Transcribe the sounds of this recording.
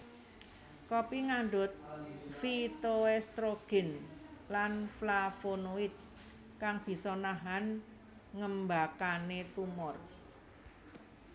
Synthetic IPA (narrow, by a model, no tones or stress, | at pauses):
kɔpiŋaɳɖʊt̪̚fit̪oɛst̪ɾoɡ̥ɛ̤nlanflafonoɪt̪̚ | kaŋb̥i̤sɔnaɦan | ŋəmbakanet̪umɔr